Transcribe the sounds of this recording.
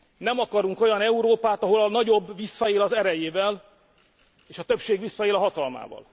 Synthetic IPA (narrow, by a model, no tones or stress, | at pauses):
nɛmɒkɒɾuŋko̞jɒnɛuɾoːpaːt̪ɒɦo̞lɒnɒɟo̞bːvisːɒeːlɒzɛɾɛjeːvɛl | eːʃɒt̪ø̞pʃeːɡʋisːɒeːlɒɦɒt̪ɒlma̰ːvɒ̰l